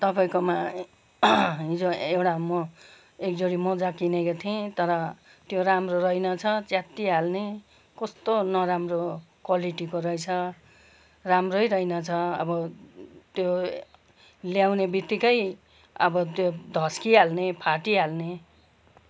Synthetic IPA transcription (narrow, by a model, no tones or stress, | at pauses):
t̪ʌpaĩkoma | ɦĩd͡zoewɽamo | ek̚d͡zoɽimod͡zakinekot̪ʰiẽt̪ʌɾʌ | t̪joɾamrorʌjnʌt͡sʰʌt͡sjat̪ːiɦalne | kʌst̪onʌɾamrokwaliʈikoɾʌjt͡sʰʌ | ramrojɾʌjnʌt͡sʰʌʌbʌt̪jo | ljawnebit̪ːikʌj | ʌ̰bʌt̪jod̪ʱʌskiɦalnepʰaʈiɦalne